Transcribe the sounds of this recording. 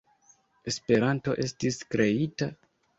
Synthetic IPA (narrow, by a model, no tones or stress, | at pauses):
e̞spe̞ɾanto̞ʔe̞stiskɾe̞ita